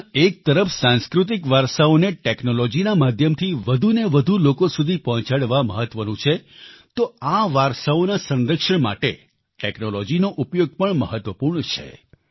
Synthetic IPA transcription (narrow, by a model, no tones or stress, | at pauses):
ek̚t̪əɾəfsãnskɾut̪̬ikʋaɾsaoneʈeknolɔd͡ʒinamad̪ʱjəmt̪ʰiʋəd̪ʱuneʋəd̪ʱulokosud̪ʱipɔɦɔ̃t͡ʃaɽʋaməɦət̪ʋənũt͡ʃʰet̪oaʋaɾsaonasə̃nɾəkʂəɳma̰ʈe | ʈeknolɔd͡ʒinoʔupjoɡ̚pəɳməɦət̪ʋəpuɾɳt͡ʃʰḛ